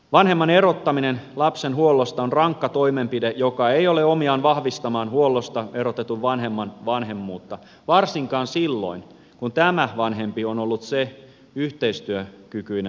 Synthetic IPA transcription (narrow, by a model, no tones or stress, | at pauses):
ʋɑnɦemːɑne̞rot̪ːɑminenlɑpsenɦuolːost̪ɑonrɑŋkːɑt̪o̞imempidejokɑejoleomiɑːnʋɑhʋist̪ɑmɑːnhuolːost̪ɑerot̪et̪uʋʋɑnɦemːɑnʋɑnɦe̞mːuːt̪ːɑ | ʋɑrsiŋkɑːnsilːo̰in | kunt̪æmæʋɑnɦe̞mpionolːut̪se | yht̪eist̪yøkykyin